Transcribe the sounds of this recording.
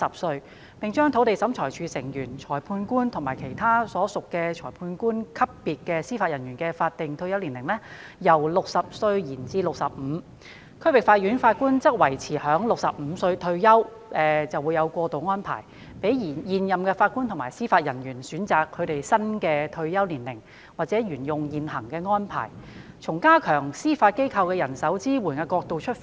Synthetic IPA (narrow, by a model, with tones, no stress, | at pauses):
sɐ˨p̚sɵ˧ɥ | pɪ˨˩ŋt͡ʃœː˥ŋt̪ʰo˨˥wt̪e˨˩jsɐ˨˥mt͡ʃʰɔː˨˩jt͡ʃʰyː˨˧sɪ˨˩ŋjyː˨˩nt͡ʃʰɔː˨˩jpʰuː˧nkuː˥nt̪ʰʊ˨˩ŋmaː˨˩jkʰe˨˩jt̪ʰaː˥sɔː˨˥sʊ˨kːɛː˧t͡ʃʰɔː˨˩jpʰuː˧nkuː˥nkʰɐ˥pːiː˨t̚kɛː˧siː˥faː˧t̚jɐ˨˩njyː˨˩nkɛː˧faː˧t̚t̪ɪ˨ŋt̪ʰɵ˧ɥjɐ˥wliː˨˩lɪ˨˩ŋlɛ˥jɐ˨˩wlʊ˨k̚sɐ˨p̚sɵ˧ɥjiː˨˩nt͡siː˧lʊ˨k̚sɐ˨p̚m̩ː˨˧˥ | kʰɵ˥wɪ˨k̚faː˧t̚jyː˨˥nfaː˧t̚kuː˥nt͡sɐ˥t̚wɐ˨˩jt͡sʰiː˨˩hœː˨˥ŋlʊ˨k̚sɐ̰˨p̚m̩ː˨˧sɵ˧ɥt̪ʰɵ˧ɥjɐ˥w | ʔɛː˨t͡sɐ˨wu˨˧jɐ˨˧wkʷɔː˧t̪o˨wŋɔː˥npʰa̰ː˨˩j | pe˨˥jjiː˨˩njiː˨njɐ˨mkɛː˧faː˧t̚kuː˥nt̪ʰʊ˨˩ŋmaː˨˩jsiː˥faː˧t̚jɐ˨˩njyː˨˩nsyː˨˥nt͡saː˨kʰːɵ˨˧ɥt̪e˨jsɐ˥nkɛː˧t̪ʰɵ˧ɥjɐ˥wliː˨˩nlɪ̰˨˩ŋ | waː˨˩t̚t͡sɛː˨˥jyː˨˩njʊ˨ŋjiː˨nhɐ˨˩ŋkɛː˧ŋɔː˥npʰa̰ː˨˩jt͡sʰʊ˨˩ŋkaː˥kʰœː˨˩ŋsiː˥faː˧t̚ke˥jkʰɐ˧wkɛː˧jɐ˨˩nsɐ˨˥wt͡siː˥wuː˨˩nkɛː˧kɔː˧k̚t̪o˨wt͡ʃʰɵ˥t̚f